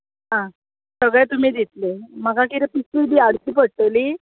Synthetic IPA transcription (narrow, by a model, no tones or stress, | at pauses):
ɦã | səɡɭẽt̪um̤iːd̪it̪leməɡakiɾepisid̪iaɽt̪iːpəɽ̚ʈ̪əli